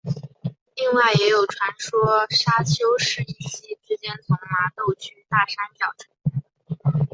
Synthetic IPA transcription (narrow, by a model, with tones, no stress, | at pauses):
li˥˧ŋwa˥˩ɪjɛ˧˥jo˨˩ʊʈ͡ʂʰwa˧˥nʂwɔ˥ʂa˥t͡ɕʰjo˥ʊʂɻ̩˥˧i˥˩ɕi˥ʈ͡ʂɻ̩˧˥t͡ɕjɛ˥nt͡sʰʊ˧˥ŋma˧˥t̪o˥˩ʊt͡ɕʰy˥t̪a˥˩ʂa˥nt͡ɕjɑ˨˩ʊt͡ɕ̪ʰɤ˧˥